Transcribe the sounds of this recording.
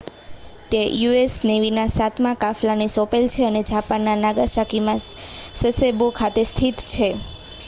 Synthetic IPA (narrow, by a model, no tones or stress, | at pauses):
t̪ejuesneʋinasat̪mãkaflanisopelt͡ʃʰeəned͡ʒʱapanːanaɡaʃakimãsəsebokʰat̪est̪ʰit̪t͡ʃʰe